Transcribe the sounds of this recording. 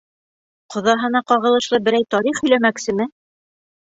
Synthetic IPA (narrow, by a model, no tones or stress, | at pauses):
qʰŏðɑɦɤ̆nɑqɑʁɤ̆lˠɤ̆ʃlˠɤbɘ̆ɾæjt̪ɑɾiχhɵ̆læmæksɘ̆mɘ